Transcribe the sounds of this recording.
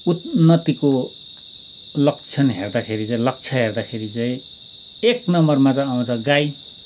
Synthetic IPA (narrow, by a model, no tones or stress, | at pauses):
ut̪nʌt̪iko | lʌk̚t͡sʰʌnɦḛrd̪akʰeɾit͡sãĩlʌk̚t͡sʰʌɦerd̪akʰeɾit͡saĩ | eknʌmʌrmat͡saaw̃t͡sʰʌɡaj